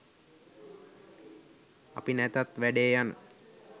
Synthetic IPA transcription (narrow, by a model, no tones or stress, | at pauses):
a̰pinæt̪at̪ʋæɖeːjanə̰